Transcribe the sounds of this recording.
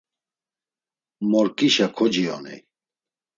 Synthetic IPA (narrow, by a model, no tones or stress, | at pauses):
mɔɾkʼiʃakʰɔd͡ʒijɔ̰nḭ